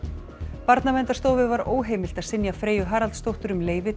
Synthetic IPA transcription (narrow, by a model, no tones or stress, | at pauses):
paɾt̪namɛnt̪ast̪oːwvɪðvaɾoːwɦejmɪl̥t̪aðsɪnjafɾeːjʏɦaːɾalt̪st̪owht̪ʏɾʏmleːjvɪ